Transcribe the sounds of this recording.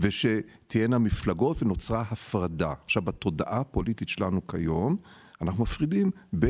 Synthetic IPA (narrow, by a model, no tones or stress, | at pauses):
veʃe̞ | t̪ʰijenamiflaɡo̞tveno̞t͡sʁaɦafʁadaaχʃavat̪o̞daʔapo̞lititʃelanukʰajo̞manaχnumafʁidimbe